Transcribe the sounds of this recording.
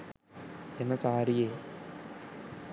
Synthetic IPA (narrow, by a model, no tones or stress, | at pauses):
enːɐt͡saːɾijeː